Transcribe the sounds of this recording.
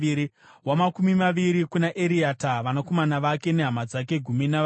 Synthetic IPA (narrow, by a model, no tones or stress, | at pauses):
ɾi | wamakumimaʋiɾikunaʔeɾiataʋanako̞manaʋake̞ne̞ɦamad͡zak̬e̞ɡʱumina